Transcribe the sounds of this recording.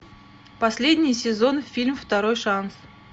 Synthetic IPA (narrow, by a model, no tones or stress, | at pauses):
pɐsʲlʲedʲnʲɪjsʲɪzo̞nfʲilʲmft̪ɐɾojʂans